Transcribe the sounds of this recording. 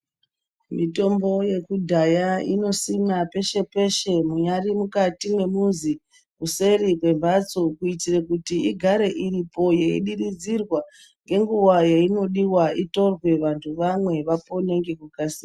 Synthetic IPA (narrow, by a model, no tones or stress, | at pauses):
mito̞mbo̞je̞kudʱajaḭno̞simape̞ʃe̞pe̞ʃe̞muɲarimukatinwe̞muzi | kuse̞ɾikwe̞mbʱat͡so̞kuitirekutiiɡʱaɾe̞ʔiripo̞jeḭɗirid͡zirwa | ŋɡe̞ŋɡuwajaino̞ɗiwaito̞rwe̞ʋantʰuʋamwe̞ʋapone̞ŋɡe̞kukasiːa